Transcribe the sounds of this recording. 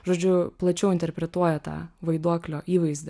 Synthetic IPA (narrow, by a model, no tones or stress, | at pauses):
ʒoːd͡ʒʲʊplˠɐt͡ʃʲɛʊɪnt̪ʲɛɾʲpʲɾʲɛt̪uɔjɛt̪ɑ̰ːʋɐɪd̪uɔklʲoːʔiːʋɐɪzʲd̪ʲɛ